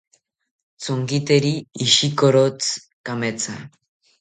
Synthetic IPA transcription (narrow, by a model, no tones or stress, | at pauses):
t͡soŋɡit̪eɾiːʃikoɾot͡s | kamet͡sa̰